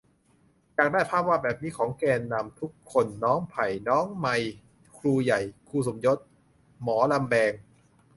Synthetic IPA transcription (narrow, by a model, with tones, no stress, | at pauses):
t͡ɕaː˨˩k̚daː˥˩jpʰaː˥˩p̚waː˥˩bɛː˨˩p̚miː˧kʰɔː˩˦ŋkɛː˧nːa˧mt̪ʰu˦˥kʰːo˧nːɔː˦˥ŋpʰa˨˩jnɔː˦˥ŋma˧j | kʰluː˧ja˨˩jkʰuː˧˩su˨˩˦mjo˦˥t̪̚ | mɔː˩˦la˧mbɛː˧ŋ